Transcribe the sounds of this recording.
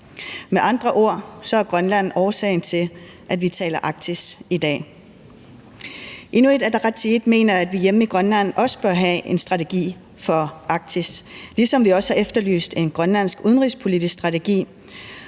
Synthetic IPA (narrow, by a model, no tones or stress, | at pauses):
meʔɑ̈nd̥ʁɐʔo̝ɐ̰sɒ̽æɐɡ̥ʁɶnlæn̰ɒːsɛ̰ɪn̩t͡sʰe̝l | ʔæd̥ʋit͡sʰɛ̰ːlɐʔɑ̈ɡ̥̚t͡sʰisid̥ɛ̰ː | ʔe̝nue̝d̥æd̥ʁɑ̥t͡sʰiid̥me̝̰ːnɐæd̥ʋijemiɡ̥ʁɶnlæn̰ɒ̽sə̥b̥ɶɐɦæe̝nsd̥ʁɑ̈t͡sʰeɡ̥ḭː | fɒ̽ɑ̈ɡ̥̚t͡sʰislisɒ̽mʋiɒ̽sə̥hɑ̈efd̥ɐly̰ːsd̥e̝nɡ̥ʁɶnlæn̰sɡ̥uð̞ˠənʁispʰo̝lid̥isksd̥ʁɑ̈t͡sʰe̝ɡ̥ḭː